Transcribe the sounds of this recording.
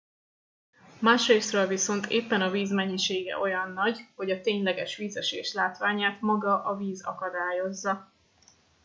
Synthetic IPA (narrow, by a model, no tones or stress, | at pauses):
maːʃrejsrolviso̞n̪t̪ʰeːpːɛnɒviːzmɛɲːiʃeːɡɛ̰ʔo̞jɒnːɒɟho̞ɟɒt̪eːɲlɛɡɛʃʋiːzɛʃeːʃlaːt̪ʋaːɲaːt̪mɒɡɒʔɒviːzɒ̰kɒd̪aːjo̞zːɒ